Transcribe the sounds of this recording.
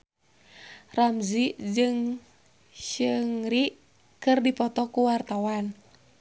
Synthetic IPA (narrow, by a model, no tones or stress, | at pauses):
ramziʔd͡ʒɨŋ | ʃɨŋriʔ | kɨrdipɔt̪ɔkuwart̪awan